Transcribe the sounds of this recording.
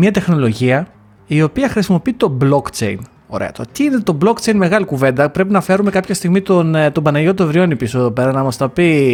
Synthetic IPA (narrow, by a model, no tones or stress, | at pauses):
mɐt̪e̞xno̞lo̞ʝiɐ | io̞piɐxɾisimo̞piit̪o̞blo̞kt͡ʃe̞̰in | o̞̰ɾḛɐ̰t̪ot̪iine̞t̪o̞blo̞kt͡ʃe̞inme̞ɣɐlikuve̞nd̪ɐpɾe̞pinɐfe̞ɾume̞kɐpçɐst̪iɣmit̪ont̪obɐnɐʝo̞t̪̬oevɾio̞nipisoeðo̞pe̞ɾɐnɐmɐst̪ɐpi